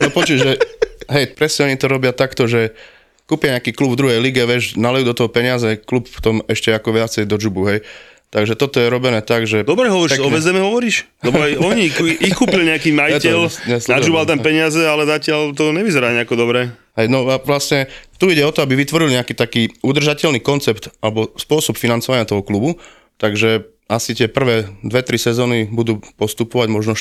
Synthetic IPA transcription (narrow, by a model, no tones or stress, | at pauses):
nɔpɔt͡ʃuːʒɛɦɛjpɾɛsɲɛɔɲit̪ɔɾɔbɪat̪akt̪ɔʒɛ | kuːpɪaɲɛakiːklubvd̪ɾuɦɛjliɡɛʋɪɛʒnalɛjud̪ɔt̪ɔɦɔpɛɲɪazɛklupft̪ɔmɛʃcɛakɔʋɪat͡sɛjd̪ɔd͡ʒubuɦɛj | t̪aɡʒɛt̪ɔt̪ɔjɛɾɔbɛnɛːt̪aɡʒɛd̪ɔbɾɛɦɔʋɔɾiʃɔbɛzd̪ɛmɛɦɔʋɔɾiːʃ | ɛbɔajɔɲikikuːpilɲɛakiːmajitɛlsɲɛslnad͡ʒubalt̪ampɛɲɪazɛalɛzacɪalt̪ɔɲɛʋizɛɾaːɲɛakɔd̪ɔbɾɛː | ɦɛjnɔaʋlasɲɛt̪uiɟɛɔt̪ɔabiʋit̪ʋɔɾilɲɛakiːt̪akiːud̪r̩ʒacɛlniːkɔnt͡sɛpt̪ʔalɛbɔspʊɔsɔpfinant͡sɔʋaɲɪat̪ɔɦɔklubu | t̪aɡʒɛ | asit̪ɪɛpr̩ʋɛːd̪ʋɛt̪ɾisɛzɔːnibud̪uːpɔst̪upɔʋaɟmɔʒnɔ